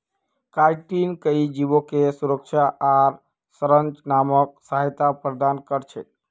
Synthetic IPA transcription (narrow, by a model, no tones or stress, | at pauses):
kajʈinkəid͡ʒibokesuɾək̚t͡ʃʰaʔaɾ | səɾənt͡ʃnamək̚səɦjt̪apɾəd̪ankəɾt͡ʃʰɛ